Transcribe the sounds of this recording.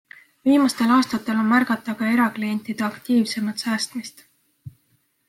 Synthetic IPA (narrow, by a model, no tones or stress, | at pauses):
viːmɑst̪e̞lɑːst̪ɑt̪ːˑe̞lo̞nmærɡ̥ɑt̪ːˑɑɡ̥ɑe̞ɾɑklije̞nʲt̪ˑid̪̥eɑkt̪iːvse̞mɑt̪sæːst̪mist̪